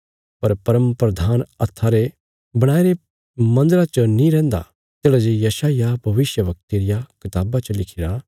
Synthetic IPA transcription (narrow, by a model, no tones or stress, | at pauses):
pɐɾpɐɾəmpɾɐd̪ʱaːnɐt̪ʰːaɾe | bɐɽ̃aːiɾe | mɐ̃nd̪əɾat͡ʃənĩɾɛ̃ːnd̪a̰ | t̪eːɽad͡ʒejɐsaːɪjabʱɐʋɪsjəʋɐk̚t̪iɾɪjakɪt̪aːbat͡ʃɐlɪkʰɪɾa